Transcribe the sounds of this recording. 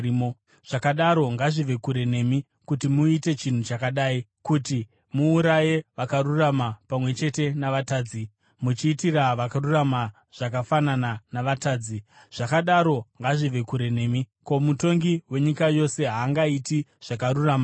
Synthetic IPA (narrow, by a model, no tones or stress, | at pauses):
o | ʐ̥akaɗaɾo̞ŋɡaʐiʋe̞kuɾe̞ne̞mi | kutimuite̞t͡ʃin̤ut͡ʃakaɗaːikuti | muːɾaje̞ʋakaɾuramapamwe̞t͡ʃe̞te̞naʋataːd͡zi | mut͡ʃiːtiraʋakarurama | ʐ̥akafanananaʋataːd͡zi | ʐ̥akaɗaɾo̞ŋɡaʐiʋe̞kuɾe̞ne̞ːmi | ko̞muto̞ŋɡiwe̞ɲikajo̞se̞ɦaːŋɡaitiʐ̥akaɾuraːma